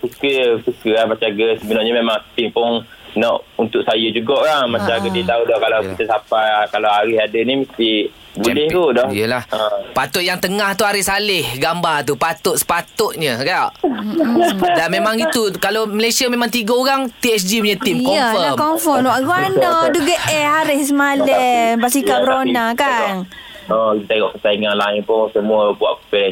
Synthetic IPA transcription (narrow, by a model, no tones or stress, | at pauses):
sukəsukəahmat͡ʃaɡəsəbənarɲəmemaŋt̪impʊn | nɔʔunt̪ʊk̚sajəd͡ʒuɡɔʔlaŋmat͡ʃaɡədiət̪audɔhkalakit̪asapakalawaɾɪhadənimist̪i | bulɛht̪udɔhjəlahəpat̪ʊt̪̚jaŋt̪əŋaht̪uaɾɪsalɪhɡambart̪̬upat̪ʊt̪sə̥pat̪ʊʔ̚ɲəɡaʔ | damemaŋit̪ukaloməlesiamemãŋt̪iɡaoɾaŋt̪iɛsd͡ʒipuɲət̪imkɔəfəmkɔmfɔnwaʔɡuanɔduɡəʔɛaɾɪss̬əmalɛbasikabəɾonakan | ɔkit̪at̪aŋɔʔkəsaiŋanlaɪŋpʊŋsəmuəbua̰ʔkpɛlɛ